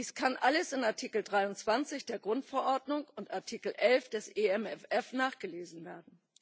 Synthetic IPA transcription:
diːskʰanʔaləsɪnaɐtʰiːkl̩dʁaɪʊntt͡sv̥ant͡sɪçd̥eːɐɡʁʊntfɛɐʔɔɐdnʊŋʊntaɐtʰiːkl̩ʔɛlfd̥ɛsʔeɛmɛfɛfnaːχɡ̥əleːzn̩veːɐdn̩

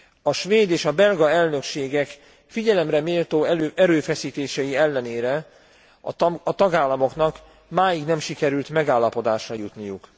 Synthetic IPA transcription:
ɒʃʋeːd̪eːʃɒbɛlɡɒɛlnø̞kʃeːɡɛk | fiɟɛlɛmrɛmeːlt̪oːʔɛɾøːfɛsiːt̪eːʃɛjiɛlːɛneːɾɛ | ɒt̪ɒɡaːlːɒmo̞kn̪ɒk | maːjiɡnɛmʃikɛɾylt̪mɛɡaːlːɒpo̞d̪aːʃrɒjut̪nijuk

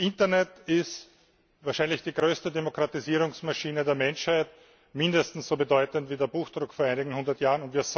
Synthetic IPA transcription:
ʔɪntɐnɛtɪst | vaːɐʃæɪnlɪçd̥iːɡʁøːstədemokʁatiziːʁʊŋsmaʃiːnədeːɐmɛnʃhaɪt | mɪndəstn̩sz̥oːbədɔʏtəntviːdeːɐbuːxd̥ʁʊkfoɐʔæɪnɪɡŋ̩hʊndɐtjaːʁənʊntviːɐz

